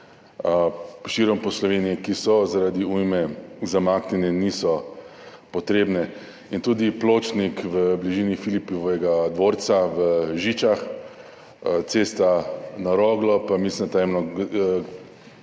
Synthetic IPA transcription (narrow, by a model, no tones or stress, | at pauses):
ʃiɾɔmpɔslɔʋeːnijɛkisɔzaɾaːd̪iujmɛzamaːknɛnɛnisɔ | pɔt̪ɾeːbnɛ | int̪uːd̪iploːt͡ʃnikʋəbliʒiːnifilipɔʋɛɡad̪ʋoɾt̪saʋəʒit͡ʃax | t̪seːst̪anaɾɔːɡlɔpamislind̪t̪ajɛmnɔ